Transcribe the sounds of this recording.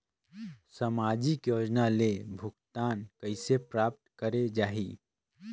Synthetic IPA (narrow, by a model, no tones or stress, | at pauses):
səmaːd͡ʒikjoːd͡ʒnalebʱʊɡt̪aːnkəɪsepɾaːp̚t̪kəɾed͡ʒaːɦiː